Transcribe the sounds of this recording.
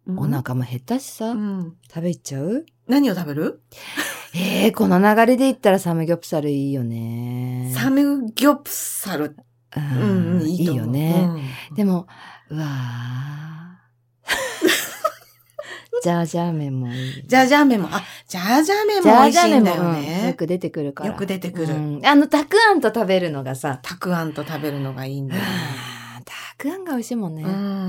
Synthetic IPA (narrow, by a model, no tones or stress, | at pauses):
onakamohe̞t̪ːaɕi̥sat̪ʰabe̞t͡ɕaɯ̟ | naɲ̟io̞t̪abeɾɯ̟ | eko̞no̞naɡaɾʲid̪e̞it̪ːaɾasamɯ̟ɡʲo̞pɯ̟̥saɾɯ̟iːjo̞ne̞samɯ̟ɡʲopɯ̥saɾɯ̟ | ɯ̟̃ɯ̃iːiːjo̞̰ne̞d̪̥e̞mo̞ɯ̟a | d͡ʑaːʑaːmẽ̞mːo̞id͡ʑaːʑaːmẽmːo̞̰ʔad͡ʑaːʑaːmẽmd͡ʑaiʑaːmemd̪ojɯ̟̃ejo̞kɯ̟d̪e̞t̪e̞kɯ̟ɾɯ̟kajo̞ɾa̰kɯ̟d̪e̞t̪e̞kɯ̟ɾɯ̟̃ano̞t̪akɯ̟ãnt̪o̞t̪abe̞ɾɯ̟no̞ɡasat̪ʰakɯ̟ãnt̪o̞t̪abe̞ɾɯ̟no̞ɡaiːnd̪a | t̪ʰḁkɯ̟ãŋɡaoiɕiːmõ̞nːẽ